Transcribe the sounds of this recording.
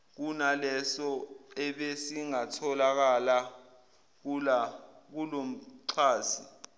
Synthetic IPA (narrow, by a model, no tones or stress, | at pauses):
k̬unalɛsɔɛɓesiŋatʰɔlak̬ala | ak̬ulom̩ǀʰaːsi